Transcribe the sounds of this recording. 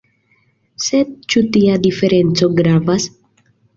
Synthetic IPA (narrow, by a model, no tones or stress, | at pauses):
sed̪̚t͡ʃut̪iad̪ife̞ɾe̞nt͡so̞ɡɾavas